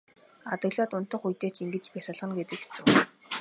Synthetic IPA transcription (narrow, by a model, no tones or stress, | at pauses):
at̪ə̆ɣɮɔːt̪ʊn̥t̪ə̆χujt̪eːt͡ɕiŋɡɘ̆t͡ɕpæsə̆ɮʁə̆nɡet̪ɘ̆ket͡su